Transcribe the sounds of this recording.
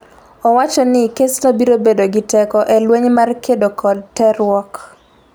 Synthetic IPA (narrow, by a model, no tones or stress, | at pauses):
ɔwat͡ʃɔnɪkeslobiɾobedoɡɪtɛkɔʔɛlweɲmarkʰedokʰɔdtːɛɾʊwɔk